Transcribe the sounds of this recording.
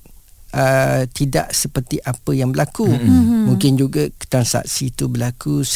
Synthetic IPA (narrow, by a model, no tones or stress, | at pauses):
ət̪idaʔsəpərt̪iʔapəjaŋbəlakumũŋkɪnd͡ʒuɡakə̥t̪ansa̰ʔsit̪ubəlakus